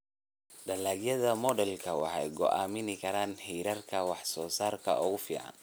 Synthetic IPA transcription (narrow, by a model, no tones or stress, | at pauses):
ɖɐlaːɡjɐðɐmɔdɛlkʰɐwɑ̰ħɑjɡɔʔa̰ːmɪnɪkʰɐɾaːnhɛjɾɐrkʰɐwɑħsɔːsaːrkʰɐ̰ʔɔːɣʊfḭːʕɑ̰n